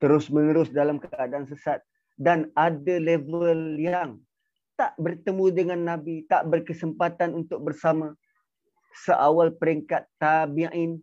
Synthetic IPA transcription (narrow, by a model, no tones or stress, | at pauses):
t̪əɾʊsmənəɾʊsdalamkaʔdansəsat̪̚ | danadalevəljaŋ | t̪aʔbərt̪əmũdəŋanːabit̪aʔbərkəsəmpat̪anunt̪ʊk̚bərsamã | səʔawalpəɾiŋkat̪ːabiãʔin